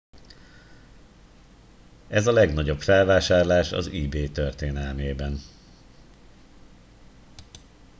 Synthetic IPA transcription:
ɛzɒlɛɡnɒɟo̞pfɛlvaːʃaːrlaːʃɒ̰zibeːt̪ørt̪eːnɛlmeːbɛn

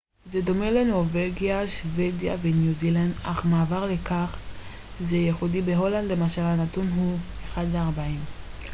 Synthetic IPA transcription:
zed̪o̞melenovelɡijaʃvedja̰venjuziland̪aχmaːvaʁlekaχ | zejeχudibeɦo̞land̪lemaʃalhanatunɦu | eχad̪veaʁbaim

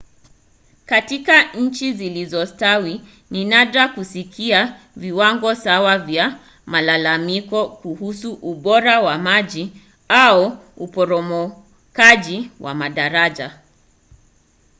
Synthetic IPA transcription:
katikaɲ̩t͡ʃizilizɔstawi | ninaɗakusikia | viwaŋɡɔsawavja | malalamikɔkuhusuʔuɓɔɾawamaʄi | auupɔɾɔmɔ | kaʄiwʔa̰maɗaɾaʄa

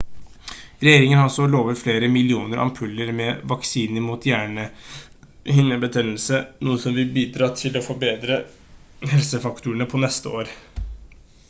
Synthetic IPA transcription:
ɾɛjeːɾɪŋənhɑsɔloːʋəfleːɾəmɪlɪuːnəɾʔɑ̰mpʰʉlːəɾmɛʋɑksiːnəmuːt̪ʰjæːɳə | hɪnːəbət̪ʰɛnl̩sənuːəsɔmʋɪlbiːd̪ɾɑːt̪ʰɪlɔfɔɾbeːd̪ɾə | ɦɛlsəfɑkt̪uːəɳəpʰɔnɛst̪əoːɾ

